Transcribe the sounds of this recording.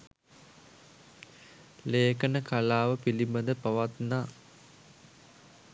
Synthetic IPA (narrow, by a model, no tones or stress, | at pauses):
leːkənəkalaːʋəpilibənd̪əpaʋat̪naː